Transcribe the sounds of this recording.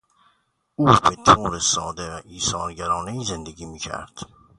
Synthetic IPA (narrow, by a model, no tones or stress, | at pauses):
uːbet̪ʰoːɾesɒːd̪evæʔiːsɒːɾɟæɾɒːneiːze̞nd̪eɡiːmiːkcʰæ̰ɾd̪̥